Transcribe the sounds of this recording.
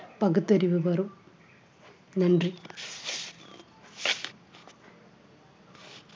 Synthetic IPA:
pɐɡut̪ːɐɾiʋɨʋɐrum | nɐnɖri

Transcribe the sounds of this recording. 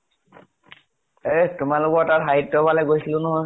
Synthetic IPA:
etʊmalʊkɔɹtatɦaɦitːɔbalɛɡojsilʊ̃nɔɦɔj

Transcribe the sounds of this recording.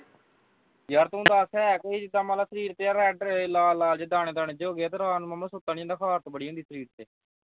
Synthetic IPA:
jəɾt̪ɦʊ̃nd̪aːsɛːɛkəiːd͡ʒɪd̪aːmaːlaːsəɾiːɾt̪eːjaːɾɛːɖlaːlːaːld͡ʒed̪aːɽ̃eːd̪aːɳeːd͡ʒoːɡeɛːt̪eːɾaːnməməsʊt̪ːaːniːənd̪aːkʰaːɾt̪ːbəɽiːɦʊ̃nd̪iːsəɾiːɾt̪eː

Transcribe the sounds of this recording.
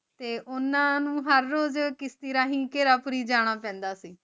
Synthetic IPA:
t̪eːʔʊnãːnũːɦəɾːoːzkɪst̪iːɾaːɦĩːkeːɾaːpʊɾiːd͡ʒaːɽ̃aːpɛ̃ːnd̪aːsiː

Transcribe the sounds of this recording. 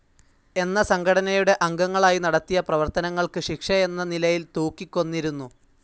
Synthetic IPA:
e̞nːɐsɐŋɡʰʱɐɽɐnɐjuɽe̞ʔɐŋɡɐŋːɐɭaːjinɐɽɐt̪ːijɐprɐʋɐrt̪ɐnɐŋːɐɭkɨɕikʂɐe̞nːɐnilɐjilt̪uːkːikʲːo̞nːiɾunːu

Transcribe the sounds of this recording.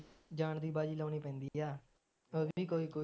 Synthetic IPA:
d͡ʒaːɳd̪iːbaːd͡ʒiːlãːniːpɛ̃ːnd̪iːaː | əʋiːkoːiːkoː

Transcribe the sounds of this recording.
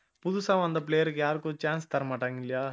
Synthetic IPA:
pud̪usãʋɐ̃nd̪ɐp̬leːjəɾkjaːɾkot͡ʃãːnst̪ɐɾmaʈaŋilijaː

